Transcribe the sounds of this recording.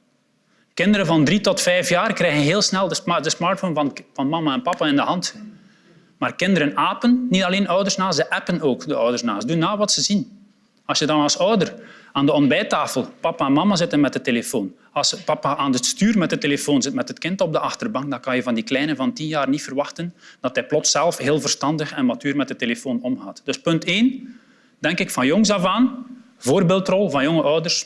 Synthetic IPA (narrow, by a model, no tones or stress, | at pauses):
kɪndəɾənvɑndɾitɔtfɛjfjaːrkrɛːɣənɦeːlˠsnɛlˠdədəsmartfonvvɑnmɑmaɛnpɑpaɪndəɦɑnt | maːrkɪndəɾənaːpənːitɑleːnœwdərsnaːsəʔɛpənoːkdəœwdərsnaːsdunːaːʋɑtsəzin | ɑlˠsjədɑnɑlˠsœwdəraːndəɔnbɛːtaːfəlˠpɑpaɛnmɑmazɪtənmɛtəteləfoːn | ɑlˠspɑpaʔaːnətstyːrmɛtətelefoːnzɪtmɛtətkɪntɔb̚dəʔɑxtərbɑŋk̚dɑnkɑnjəvɑndiklɛjnəvɑntinjaːrnitfərʋɑxtənd̥ɑtɦɛjplɔtsɛlˠfɦeːlˠvərstɑndəxɛnmatyːrmɛt̚ətːelefoːnɔmɣaːtd̥ɵspɵnteːn | d̥ɛŋkɪkfɑnjɔŋzavaːn | voːrbeːlˠtrɔlˠvɑnjɔŋəʔœwdərs